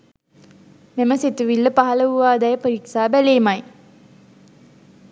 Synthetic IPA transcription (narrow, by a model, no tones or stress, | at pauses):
meməsit̪uʋilːəpaɦɐləuʋaːd̪ɛjəpoɾiksaːbæleːmaj